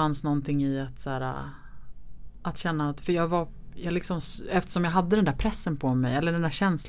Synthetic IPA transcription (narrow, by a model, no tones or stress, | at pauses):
ansnɔnt̪ʰɪŋːɪat̪sæːɾa̰ | ʔat̪ɕɛnːaːt̪fœɾjɑːɡvajɑːlɪksɔmsɛft̪ə̥ʂɔmjaɦad̪ːəd̪ɛnd̪æɾpʰɾɛsːənpʰɔmɛ̰jɛlːəɖɛnd̪æːɾɕɛns